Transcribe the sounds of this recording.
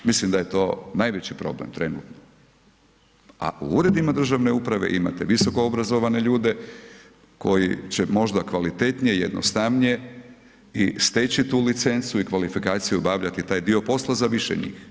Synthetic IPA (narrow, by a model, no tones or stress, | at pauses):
mislimd̪ajet̪o̞ːnajʋe̞t͡ɕipɾo̞̰blḛmt̪ɾe̞nṵːt̪no | a̰ʔṵuɾe̞d̪imad̪r̩ʒaʋne̞upɾaʋe̞̰ʔima̰t̪eʋiso̞ko̞obɾazo̞ʋane̞ʎuːd̪e̞ | ko̞jḭt͡ɕe̞mo̞ʒd̪akʋalit̪e̞t̪nijejed̪no̰st̪aʋnije̞ | ist̪et͡ɕit̪uːlit̪se̞nt̪suikʋalifikaːt̪sijubaʋʎat̪it̪aːjd̪io̞po̞slˠazaʋiʃḛɲḭːx